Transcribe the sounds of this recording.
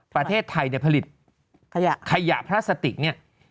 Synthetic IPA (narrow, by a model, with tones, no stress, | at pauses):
pɾa˧t̪ʰeː˥˩t̪ʰːa˧jni˥˩pʰa˧li˨˩t̪̚ | kʰa˧ja̰˨˩ʔpʰɾaː˥˩sa˧t̪ḭ˨˩k̚ni˥˩ɐ